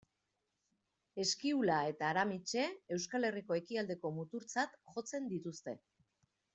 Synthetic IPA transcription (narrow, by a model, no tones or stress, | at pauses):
e̞skiulae̞t̪aːɾamit͡ʃe̞ewskale̞riko̞e̞kiald̪e̞ko̞mut̪uɾt͡sat̪ʝo̞t͡se̞nd̪it̪ust̪e̞